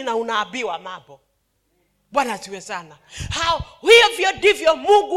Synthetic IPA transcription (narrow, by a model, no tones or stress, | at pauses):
naunaːbiwamabɔ | ɓwanasiwɛsanahaɔhijɔvjɔndivjɔmuɡu